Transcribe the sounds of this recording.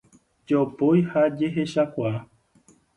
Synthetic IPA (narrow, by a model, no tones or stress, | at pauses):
d͡ʒopojhad͡ʒeɦeʃakʷaa